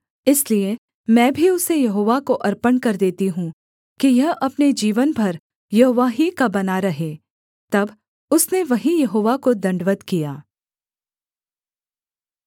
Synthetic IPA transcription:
ɪslie | mɛ̃ːbʱiʊsejɐɦoːʋakoʔɐɾpənkɐɾd̪eːt̪iɦũ | kijɐɦɐpned͡ʒiːʋənbʱɐɾ | jɐɦoːʋaːɦikabɐnaɾɐɦeː | t̪ɐb | ʊsneʋɐɦĩjɐɦoːʋakod̪ɐ̃ɳɖʋət̪kijaː

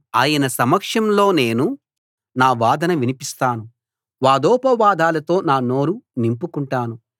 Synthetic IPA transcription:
aːjɐnɐsɐmɐkʂɐmlo̞ːne̞ːnu | naːʋaːd̪ɐnɐʋinipist̪aːnu | ʋaːd̪ɔːpɐʋaːd̪ʱaːlɐt̪o̞ːnaːno̞ːɾunimpukuɳʈaːnu

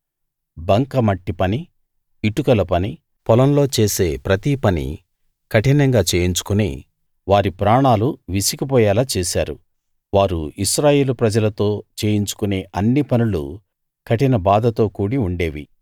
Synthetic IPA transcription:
bɐŋkɐmɐʈːipɐniː | ʈukɐlɐpɐni | pɔlɐnlo̞ːt͡ʃe̞ːse̞ːpɾɐt̪iːpɐnḭ | kʰɐʈinɐŋɡaːt͡ʃeːjiɲt͡ʃu̥kunḛː | ʋaːɾipɾaːɳaːluʋisikipɔːjaːlaːt͡ʃeːsa̰ːɾu | ʋaːɾuiʃɾaːje̞ːlupɾɐd͡ʒɐlɐt̪o̞ːt͡ʃe̞ːjiɲt͡ʃu̥kune̞ːʔɐnːipɐnulṵ | kʰɐʈinɐbaːd̪ɐt̪o̞ːkuːɽiuɳɖe̞ːʋḭ

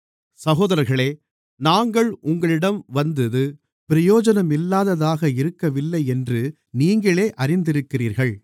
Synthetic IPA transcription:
sɐɣoːðɐɾɐɾɣɐɭeː | naːŋɡɐɭʔʊŋɡɐɭɪɽɐmʋɐnd̪ɯðɯ | pɪɾɐjoːd͡ʒɐnɐmɪlːaːðɐðaːɣɐɪɾɯkːɐʋɪlːɐɪɛndrɯ | niːŋɡɐɭeːʔɐɾɪnd̪ɪɾɯkːɪriːɾɣɐɭ

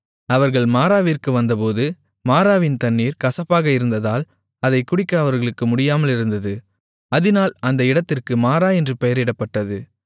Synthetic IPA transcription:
ɐʋɐɾɣɐɭmaːɾaːʋirkɯʋɐnd̪ɐpoːðɯ | maːɾaːʋɪnt̪ɐnːiːɾkɐsɐpːaːɣɐɪɾɯnd̪ɐðaːl | ɐðɐɪkːʊɽɪkːɐɐʋɐɾɣɐɭɯkːɯmʊɽɪjaːmɐlɪɾɯnd̪ɐðɯ | ɐðɪnaːlɐnd̪ɐɪɽɐt̪ːɪrkɯmaːɾaːɛndrɯpɛjɐɾɪɽɐpːɐʈːɐðɯ

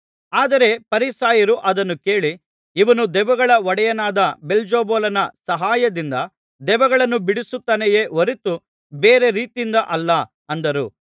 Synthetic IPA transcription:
aːd̪ɐɾe̞pɐɾisaːjɐɾuʔɐd̪ɐnːuke̞ːɭi | iʋɐnud̪ɛʋɐɡɐɭɐʋɔɽɛjɐnaːd̪ɐbeld͡ʒoːboːlɐnɐsɐɦaːjɐd̪ind̪ɐ | d̪ɛʋɐɡɐɭɐnːubiɽisut̪ːɐnɛje̞ːʋoɾit̪u | beːɾe̞ɾiːt̪iind̪ɐʔɐlːɐ | ɐnd̪ɐɾu

